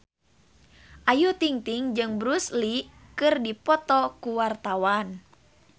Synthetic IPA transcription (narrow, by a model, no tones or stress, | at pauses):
ʔajut̪iŋt̪iŋd͡ʒɨŋbɾusli | kɨrdipɔt̪ɔkuwart̪awan